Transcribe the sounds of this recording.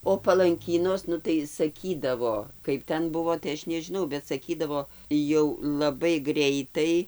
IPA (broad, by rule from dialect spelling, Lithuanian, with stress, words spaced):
oː pɐlˠɐŋʲˈkʲiːnoːs ˈnʊ tɐɪ sɐˈkʲiːdɐʋoː ˈkɐɪp tʲɛn ˈbʊʋoː tɐɪ ˈɐʃ nʲɛʒʲɪˈnɐʊ bʲɛt sɐˈkʲiːdɐʋoː jɛʊ lˠɐˈbɐɪ ˈɡrʲɛɪtɐɪ